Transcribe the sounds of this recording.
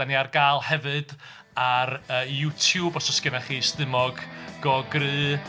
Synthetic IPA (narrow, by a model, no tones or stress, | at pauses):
aniarɡaːlˠhɛvɨd | arəːjutʰjuːbɔsɔsɡ̥ənaχiːstɨmɔɡɡ̥ɔɡrɨː